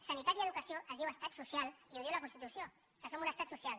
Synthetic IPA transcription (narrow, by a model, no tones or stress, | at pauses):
sanit̪at̪ieðukasjoʔəzðiwest̪at̪susjaliuzðewlakunst̪it̪usjo | kasomunast̪at̪susjal